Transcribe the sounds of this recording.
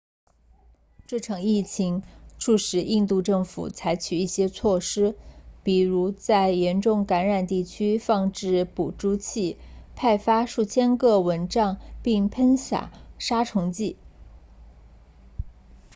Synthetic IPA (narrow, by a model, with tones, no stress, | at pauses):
ʈ͡ʂɤ˥˩ʈ͡ʂʰɑ˨˩ŋi˥˩t͡ɕʰi˧˥ŋʈ͡ʂʰu˥˩ʂɻ̩˨˩i˥˧nt̪u˥˧ʈ͡ʂɤ˥˩ŋfṵ˨˩t͡sʰa˧˥ɪt͡ɕʰy˨˩i˥˩ɕjɛ˥t͡sʰwɔ˥˩ʂɻ̩˥pi˨˩ɻu˧˥t͡sa˥˩ɪjɛ˧˥nʈ͡ʂʊ˥˩ŋka˧˥nɻa˨˩nt̪i˥˩t͡ɕʰy˥fɑ˥˧ŋʈ͡ʂɻ̩˥˩pu˨˩ʈ͡ʂu˥t͡ɕʰi˥˩pʰa˥˩ɪfa˥ʂu˥˩t͡ɕʰjɛ˥nkɤ˥˩wə˧˥nʈ͡ʂɑ˥˧ŋpi˥˩ŋpʰə˥nɕja̰˨˩˦ʂa˥ʈ͡ʂʰʊ˧˥ŋt͡ɕi˥˩